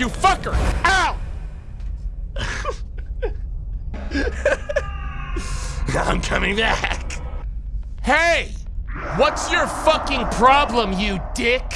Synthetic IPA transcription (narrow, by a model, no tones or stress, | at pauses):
ɨfʌkə˞aʊt̚ | ãɪ̃mkʰʌmɪ̃ŋbæk | heɪ | wʌtsjə˞fʌkɪ̃ŋpʰɹ̥ɑblə̃mjɨdɪk